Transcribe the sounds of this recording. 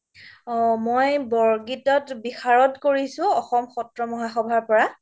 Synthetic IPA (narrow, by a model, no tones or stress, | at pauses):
mojbɔɹɡitɔtbixaɹɔtkoɹisʊ̃ɔxɔmxɔtɹɔmɔɦaxɔbʱaɹpɔɹa